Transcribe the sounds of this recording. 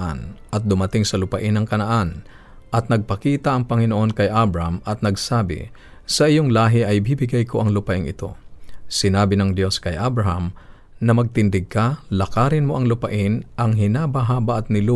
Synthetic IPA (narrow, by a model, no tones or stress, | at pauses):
ʔa̰nʔɐt̪̚d̪ʊmɐt̪ɪŋsɐlʊpɐʔɪnɐŋkɐnɐʔan | ʔɐt̪̚nɐɡ̚pɐkiːt̪ɐʔɐŋpɐŋɪnoʔo̞nkɐjʔabɾɐhɐmʔɐt̪̚nɐɡsaːbɪ̰ | sɐʔɪjoŋlaːɦɪʔɐjbibɪɡajko̞ʔɐŋlʊpɐʔɪŋʔɪt̪o̞̰sɪnaːbɪnɐŋd̪jo̞skɐjʔabɾɐɦɐm | nɐmɐɡ̚t̪ɪnd̪ɪɡ̚kɐlɐkaːɾɪnmo̞ʔɐŋlʊpɐʔɪnʔɐŋɦɪnabɐɦaːbɐʔɐt̪̚nɪlo